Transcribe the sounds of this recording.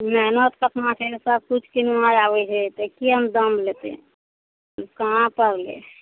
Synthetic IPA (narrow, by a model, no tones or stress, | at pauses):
mɛɦnət̪kət̪ʰmãkʰeɾsəb̚kut͡ʃʰkinumãɾaʋɛt͡ʃʰɛt̪əkiɦəmd̪əmʱlet̪ḛ̃ | kaɦãpəɾlḛ